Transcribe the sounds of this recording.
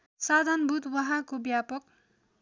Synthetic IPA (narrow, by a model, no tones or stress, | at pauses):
sad̪ʱanbʱut̪wʌɦãkobjapʌk̚